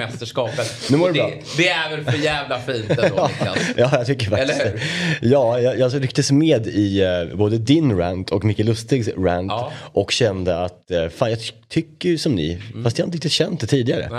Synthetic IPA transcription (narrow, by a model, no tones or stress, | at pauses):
ɛst̪əʂkɑːpət̪nʉːmoɾɛbɾɑː | d̪ɛæɾvɛlfœɾjæːvlafiːnt̪ː | jɑːjɑt̪ʰʏkːəɾfakl | jɑːjɑːjɑːɾʏkt̪əsmeːd̪ɪboːd̪əd̪ɪnɾænt̪ʰɔkmɪkːəlɵst̪ɪɡsɾæ̰nt̪ʔɔkɕɛnd̪əat̪faːnjɑt̪ʰʏkːəjsɔmnɪ̰fast̪jahant̪əɾɪkt̪ɪt̪ʰɕɛnt̪̚d̪ɛt̪ʰiːd̪ɪɡaɾə̰